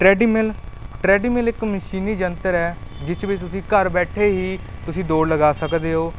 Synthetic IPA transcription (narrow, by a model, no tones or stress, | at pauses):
ʈɾɛːɖiːmɪlʈɾɛːɖiːmɪlɪkməʃiːniːd͡ʒənt̪əɾɛːd͡ʒɪt͡ʃbɪt̪ʊsĩːkəɾbɛːʈʰeːɦiːt̪ʊsĩːd̪oːɽləɡaːsəkd̪eːɦoː